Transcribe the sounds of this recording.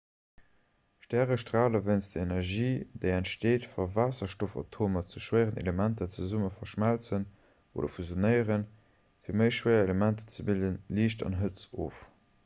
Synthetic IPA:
ʃtæːʁəʃtʁaːləvənstd̥əenɛʁʒiːd̥eɪæntʃteːtfɐvaːsɐʃtofɑ̰tʰoːmɐt͡suʃwəɪʁənḛləmæntɐt͡səzuməfɐʃmælt͡sən | o̰ːdɐ̰fuzjonɜɪəʁən | fiːɐməɪʃwəɪɐeləmæntə̥t͡səbildənliːʃtɑ̰nɦət͡so̰ːf

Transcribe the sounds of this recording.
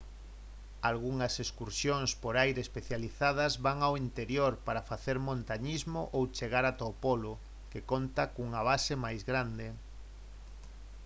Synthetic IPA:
alɣuŋɐseskuɾsjoŋspoɾajɾeːspeθjaliθað̞ɐzβaŋawint̪eɾjoɾpaɾɐfaθeɾmõnt̪aɲizmoʔowt͡ʃeɣaɾat̪opolʊ | kekont̪akuŋɐβ̞asemajzɣɾand̪e

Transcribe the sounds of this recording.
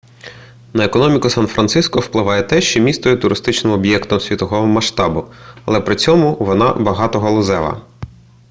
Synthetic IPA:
nɐekɔnɔmʲikʊsɑnfɾʔɐnt̪sɪskɔwplˠɪʋɑjɛt̪ɛʃt͡ʃɔmʲist̪ɔjɛt̪ʊɾʔɪst̪ɪt͡ʃnɪmɔbjɛkt̪ɔmsʲʋʲit̪ɔɦɔmɐʃt̪ɑbʊɐlˠɛpɾɪt͡sʲɔmʊʋɔnɑ̰bɐɦɑt̪ɔɦɔlˠʊzɛʋˠɐ̰

